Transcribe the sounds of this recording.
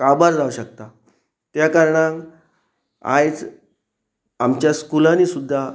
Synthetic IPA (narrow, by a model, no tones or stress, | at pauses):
kabaɾɾawɕək̚t̪a | t̪jakaɾɳãŋk | a̰jt͡s | amt͡ɕjaskulãniːsud̪ʱːa